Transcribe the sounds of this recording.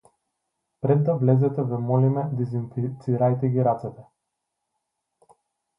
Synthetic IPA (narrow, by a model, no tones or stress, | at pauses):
pɾɛd̪ːavlɛzɛt̪ɛvɛmɔlimɛd̪ɛzinfit̪siɾajt̪ɛɡʲiɾat̪sɛt̪ɛ